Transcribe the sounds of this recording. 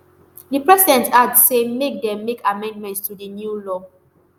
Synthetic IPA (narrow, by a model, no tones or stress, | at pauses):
dipɹɛsidɛ̃ntasemek̚dɛ̃mːekʰamɛ̃ndmɛ̃ntstudinjulɔ